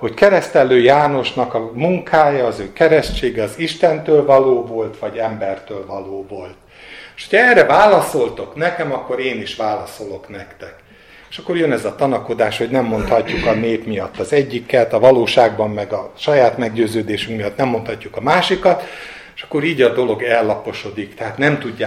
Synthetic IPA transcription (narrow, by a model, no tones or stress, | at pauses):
ho̞ckɛɾɛst̪ɛlːøːjaːno̞ʃnɒkɒmuŋkʰaːjɒːzøːkɛɾɛʃt͡ʃeːɡɛɒziʃt̪ɛnt̪øːlvɒloːvo̞lt̪ʋɒɟɛmbɛrt̪øːlvɒloːvo̞lt̪ | ʃhocʰɒɛrːɛvaːlɒso̞lt̪o̞knɛkɛmɒkːo̞ɾeːniʃʋaːlɒso̞lo̞knɛkt̪ɛk | e̥ʃɒkːo̞rjønɛzɒt̪ɒnɒkod̪aːʃho̞ɟnɛmːo̞nt̪hɒcːukɒneːpmijɒt̪ːɒzɛɟːikːɛt̪ɒvɒloːʃaːɡbɒmːɛɡɒʃɒjaːt̪mɛɡɟøːzøːd̪eːʃyŋkmijɒt̪nɛmːo̞nt̪hɒcːukɒmaːʃikɒt̪ | eʃɒ̥kːo̞ɾiːɟɒd̪o̞lo̞ɡɛlːɒpo̞ʃo̞d̪ikt̪ɛɦaːt̪nɛmt̪uɟːa